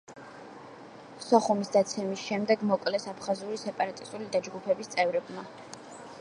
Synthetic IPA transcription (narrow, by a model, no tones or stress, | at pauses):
sɔχumisd̪at̪sʰɛmisʃɛmd̪ɛɡmɔkʼlɛsapʰχazuɾisɛpʼaɾat̪ʼist̪ʼulid̪ad͡ʒɡupʰɛbist̪sʼɛvɾɛbma